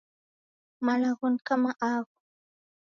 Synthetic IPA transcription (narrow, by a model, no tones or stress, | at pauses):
malɑɢʊŋkamaʔaːɢʊ